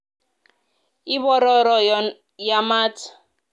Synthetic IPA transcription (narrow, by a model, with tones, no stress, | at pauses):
i˦βɔ˦ɾɔ˦ɾɔ˨ | ja˦maː˦t͡sʰḁ˨